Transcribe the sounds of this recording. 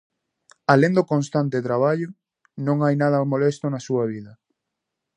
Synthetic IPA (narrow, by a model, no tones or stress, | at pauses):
aleŋnd̪okõnst̪ant̪et̪ɾaβ̞aʎʊ | nõŋajnað̞ɐmolest̪onasuɐβiðɐ